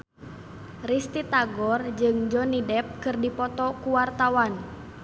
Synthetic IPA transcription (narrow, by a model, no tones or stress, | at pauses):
rist̪it̪aɡɔrd͡ʒɨŋd͡ʒɔnidɛp̚kɨrdipɔt̪ɔkuwart̪awan